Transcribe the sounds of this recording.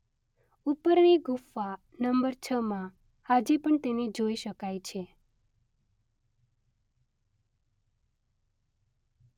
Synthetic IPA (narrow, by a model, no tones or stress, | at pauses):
upəɾniɡʱufːa | nəmbəɾt͡ʃʰəmã | had͡ʒipəɳt̪enid͡ʒoiʃəkajt͡ʃʰe